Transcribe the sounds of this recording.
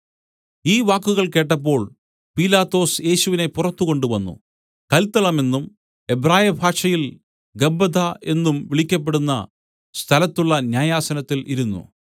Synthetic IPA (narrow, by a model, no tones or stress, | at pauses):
iːʋaːkːuɣɐɭke̞ːʈ̬ːɐp̬ːo̞ːɭ | piːlaːt̪ːo̞ːsje̞ːɕuʋine̞purɐt̪ːuko̞ɳɖuʋɐnːṵ | kɐlt̪ːɐɭɐme̞nːum | ebraːjɐbʱaːkʂɐjil | ɡɐbɐd̪aʔe̞nːumʋiɭikʲːɐp̬ːe̞ɽunːɐ̰ | st̪ʰɐlɐt̪ːuɭːɐnjaːjaːsɐnɐt̪ːiliɾunːṵ